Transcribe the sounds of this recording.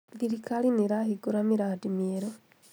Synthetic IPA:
ðilikaliniɾahiɡuɾamiɾadimjeɾo

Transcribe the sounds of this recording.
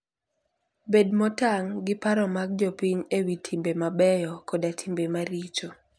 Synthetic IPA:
bedmɔtaŋɡɪpaɾɔmaɡ̚d͡ʒopiɲewitʰimbemabɛjɔkɔdatʰimbemaɾit͡ʃo

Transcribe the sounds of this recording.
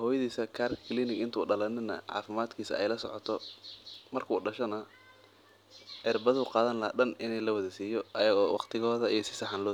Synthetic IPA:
hɔːjɐðiːsɐkʰaːrkʰɪliːnɪɡɪnt̪ʰuːɖɐlɐnɪnɐ̰ʕɑ̰ːfɪmaːd̪kʰiːsɐɛ̰jlɐsɔ̰ʕɔt̪ʰɔ | mɐrkʰuːɖɐʃɔnɐ | ʔɛrbɐðuqɑːðɐnlɐha̰ɗɐnɪnɛlɐwɐðɐsiːjɔʔɐjɐɣɔːwɑ̰qt̪ʰɪɣɔːðɐijɞsɪ̥sɐħanlɔː

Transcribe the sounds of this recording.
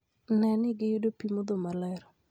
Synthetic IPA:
nɛnɪɡɪjudopimod̪omalɛɾ

